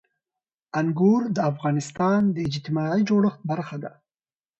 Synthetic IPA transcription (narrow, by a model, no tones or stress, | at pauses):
aŋɡuɾd̪əafɣɑnɪst̪ɑnd̪əɪd͡ʒt̪ɪmɑid͡ʒoɽəxt̪̚baɾxad̪a